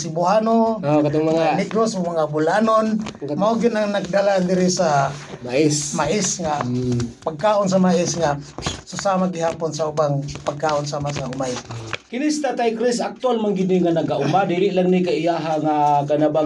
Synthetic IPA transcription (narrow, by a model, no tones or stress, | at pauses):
sibuɦanokat̪oŋmaŋaniɡɾosʊmaŋabulanonmaoɡɪnaŋnak̚d̪aland̪ɪɾisamaismaʔɪsŋapaɡ̚kaʔons̬amaɪsŋasʊsamad̪ɪɦaːponsaubaŋpaɡ̚kaːʔonsaːmasaumajkinist̪at̪ajkɾisak̚t̪ualmaŋɡidniŋanaɡaʔumadiɾɪʔlaŋnikaijaɦaŋaɡanaba